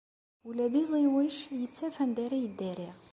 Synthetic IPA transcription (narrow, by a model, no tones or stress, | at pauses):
ulæd̪izˤiwiʃjət͡sːæfænd̪æɾæjəd̪ːæɾiʁ